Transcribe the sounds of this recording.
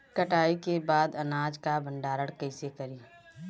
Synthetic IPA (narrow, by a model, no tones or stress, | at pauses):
kəʈaːikebaːd̪ɐnaːd͡ʒkabʱə̃ɳɖaːɾəɽkɐɪsekəɾiː